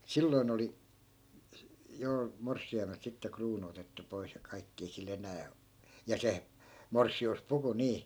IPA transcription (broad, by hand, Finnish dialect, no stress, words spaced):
silːoin oli jo morsːiɑimelt sitːe kruːnu otetːu pois jɑ kɑikːi ei sil enæː o jɑ se morsːiuspuku niː